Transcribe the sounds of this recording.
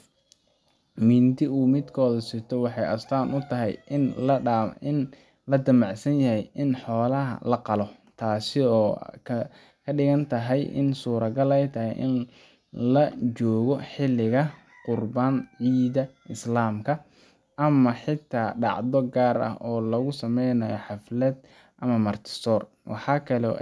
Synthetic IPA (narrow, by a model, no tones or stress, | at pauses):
miːnt̪ʰɪuːmɪd̪kʰɔːðɐsɪrt̪ʰɔwɑħɑjʔɐ̰st̪ʰaːnʔʊt̪ʰɐɦɛ̰jn | ɪn | lɐd̪ɐmɑʕsɐnjɐhɛjɪnħɔːlɐɦɐ̰lɐqɑlɔ | t̪ʰaːsɪɔːkʰ | kʰɐɖɪɣɐnt̪ʰɐɦɛjʔɪ̰nsuːɾɐɡɐlɛjt̪ʰɐɦɛ̰jʔɪ̰n | lɐt͡ʃɔːɣɔħɪlɪɣɐ | qʊrbaːnʕiːðɐɪslaːmkʰɐ | ʔɐmɐħɪt̪ʰːaːɖɑ̰ʕðɔɡaːɾɐ̰hɔːlɐɣʊsɐmɛjnɐjɔħɑflɛːd̪ | ʔɐmɐmɐrt̪ʰɪ̥sɔːr | wɑ̰ħɑːkʰɐlɛ̰